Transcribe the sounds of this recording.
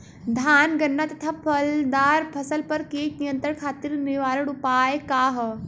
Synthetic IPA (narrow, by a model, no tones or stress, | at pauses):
d̪ʱaːnɡənːat̪ɐt̪ʰapʰəld̪aːɾpʰəsəlpəɾkeːʈnijənt̪əɳkʰaːt̪iːɾniʋaːɾəɽupaːjkaɦ